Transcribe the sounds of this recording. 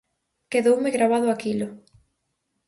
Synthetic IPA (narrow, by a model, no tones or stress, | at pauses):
keðowmeɣɾaβaðʊakilʊ